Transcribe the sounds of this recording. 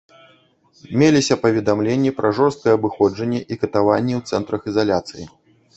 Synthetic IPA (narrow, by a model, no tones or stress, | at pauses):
mʲelʲisʲɐpɐvʲɛd̪amlʲenʲːipɾʔɐʐɔrst̪̚kɐjɛɐbɨxɔd͡ʐɐnʲːɛʔikɐt̪avanʲːɛwt̪sɛnt̪ɾɐxizalʲat̪sɨjḭ